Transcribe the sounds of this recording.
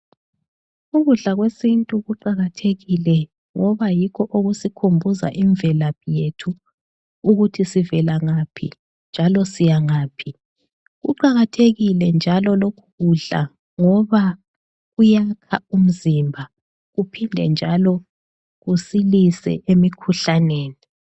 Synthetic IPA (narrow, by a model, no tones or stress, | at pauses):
uɣuɮaɣwesintʼuɣuǃaɣatʰeɣilɛ | ŋɔβajikʰɔʔoɣusikʰombʱuza̰ʔiɱvɛlaβjetʰu | uɣutʰisivɛlaŋapʰḭ | nd͡ʒʱalɔsijaŋaːpʰi | ɣṵǃaɣatʰeɣilɛnd͡ʒʱalɔlokʰuɣuɮa̰ | ŋɔβa | ɣujakʰa̰um̩zimbʱa | ɣupʰindʱɛ̰nd͡ʒʱalɔ | ɣusilisɛ̰ʔemikʰuɬaneːni